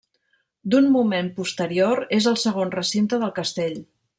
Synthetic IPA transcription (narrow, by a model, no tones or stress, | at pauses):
d̪unmumempust̪əɾioɾezəlˠsəɣ̞onrəsint̪əðəlˠkəst̪eʎ